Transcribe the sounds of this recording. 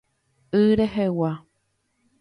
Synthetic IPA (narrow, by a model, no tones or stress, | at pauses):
ɨɾeɦewa